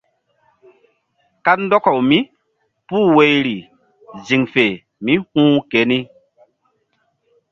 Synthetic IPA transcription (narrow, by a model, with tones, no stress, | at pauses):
ka˦n˦dɔ˦kɔ˨wmĩ˦ | puː˦˨we˨jɾi˨ | zi˨ŋfe˨ | mi˦hũː˦ke˨˦ni˦